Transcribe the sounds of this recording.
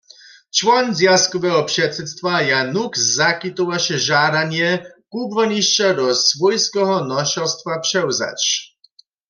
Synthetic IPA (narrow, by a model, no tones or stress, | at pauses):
t͡ʃvɔnzjaskɔvɛɦɔpʂɛt̪sɛt̪st̪vajanukzakit̪owaʃɛʒad̪anjɛkubvɔniʃt͡ʃad̪ɔsvɔjskɛɦɔnɔʃɔst̪vapʂɛwza̰t͡ɕ